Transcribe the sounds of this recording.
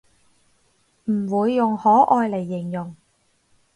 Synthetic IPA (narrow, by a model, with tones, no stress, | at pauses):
m̩˨˩wuː˨˧jːʊ˨ŋhɔː˨˥ʔɔː˧jle˨˩jːɪ˨˩ŋjʊ˨˩ŋ